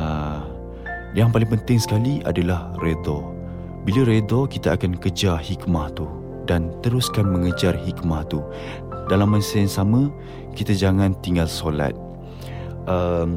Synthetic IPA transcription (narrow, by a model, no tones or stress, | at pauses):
ə | jaŋpalɪŋpənt̪ɪŋsə̥kaliʔa̰dalahred̪ɔ | bilaɾed̪ɔkit̪aakankəd͡ʒahikmaht̪u | dant̪əɾuskanmə̃ŋəd͡ʒarhikmaht̪u | dalamːasənsamə̃ | kit̪ad͡ʒaŋãnt̪iŋɡalsola̰t̪̚ | ʔəm